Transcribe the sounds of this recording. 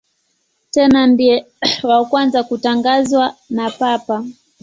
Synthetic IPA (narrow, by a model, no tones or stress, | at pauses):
tɛnandiɛ | wakwanzakutaŋɡazwanapapa